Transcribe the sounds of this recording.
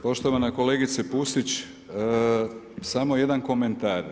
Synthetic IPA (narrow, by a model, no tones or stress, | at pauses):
po̞ʃt̪o̞ʋanakoleɡit̪sepusit͡ɕː | samo̞je̞d̪anko̞ment̪aːɾ